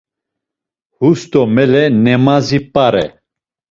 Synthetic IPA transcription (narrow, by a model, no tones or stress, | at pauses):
hust̪ɔmɛlɛnɛmazipʼaɾɛ